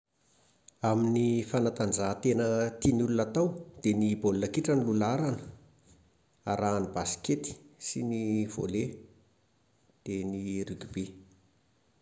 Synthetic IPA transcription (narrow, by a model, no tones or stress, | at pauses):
aminifanat̪and͡zat̪enət̪inulunat̪awd̪̥enibolunakiʈ͡ʂanilulaɾanə̥ | aɾaːnibasi̥ket̪i̥siniv̥o̰le | d̪̥enirykibe